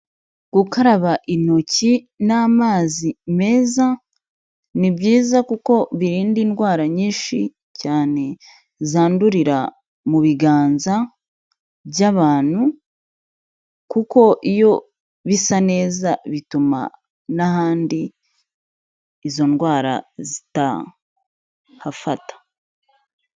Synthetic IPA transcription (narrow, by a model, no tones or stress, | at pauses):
ɡ̥ukaɾaβaʔino̞ci | naːmaːzime̞ːza | nibiːzakuko̞βiɾiːndinɡwaːɾaɲiːnʃḭ | caːne̞ | zaːnduɾiɾa | muβiɡaːnza | βjaβaːn̥hu | kuko̞ʔijo̞ | βisane̞ːzaβituma̰ | naɦaːndi | zo̞nɡwaːɾa̰zita̰ | hafatḁ